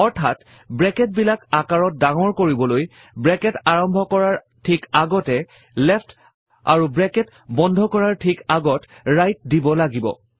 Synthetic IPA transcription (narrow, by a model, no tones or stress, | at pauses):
ɔɹtʰat | bɹɛkɛt̚bilakakaɹɔt̚daŋɔɹkoɹibɔloj | bɹɛkɛtaɹɔmbʱɔkɔɹaɹ | tʰikaɡɔtɛ | lɛpʰt | a̰ɹubɹɛkɛt | bɔndʱɔkɔɹaɹtʰikaɡɔtɹajt̚dibɔlaɡibɔ̰